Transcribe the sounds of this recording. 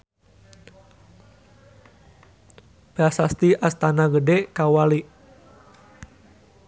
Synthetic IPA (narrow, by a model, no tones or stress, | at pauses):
b̥asast̪iʔast̪anaɡədɛkawali